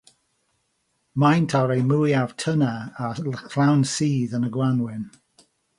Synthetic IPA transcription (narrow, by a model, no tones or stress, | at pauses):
majntʰaɾejmujav̥tʰənaakʰl̥awnsiːðənəɡwanwɪn